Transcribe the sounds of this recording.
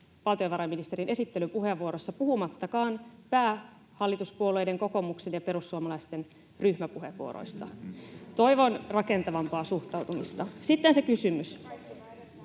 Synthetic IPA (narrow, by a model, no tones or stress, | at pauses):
ʋɑlt̪ijoʋɑɾɑmːinist̪e̞ɾinʔesit̪ːelypuɦe̞ʋːuo̞ɾo̞sːɑpuhumɑt̪ːɑkɑːnpæː | hɑlːit̪uspuolːejde̞ŋko̞ko̞mukse̞njɑpe̞ɾusːuomɑlɑjst̪e̞n | ryhmæpuɦeʋːuo̰ɾo̰jst̪ɑ̰t̪o̞jʋo̞nrɑke̞nt̪ɑʋɑmpɑːsuht̪ɑwt̪umist̪ɑsit̪ːense̞kysymys